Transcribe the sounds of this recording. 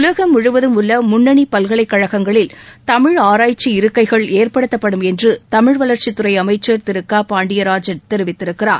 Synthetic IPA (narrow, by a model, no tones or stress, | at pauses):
ʊlɐɣɐmʊɻɯʋɐðɯmʊlːɐmʊɳːɐɳipɐlɣɐɭɐɪkːɐɻɐɣɐŋɡɐɭɪlt̪ɐmɪɻaːɾaːjt͡ʃːiɪɾɯkːɐɪɣɐɭeːrpɐɽɯt̪ːɐpːɐɽɯmɛndrɯt̪ɐmɪɻʋɐlɐɾt͡ʃit̪ːɯɾɐɪɐmɐɪt͡ʃːɐɾt̪ɪɾɯkːaːpaːɳɖɪjɐɾaːd͡ʒɐnt̪ɛɾɯʋɪt̪ːɪɾɯkːɪra̰ːɾ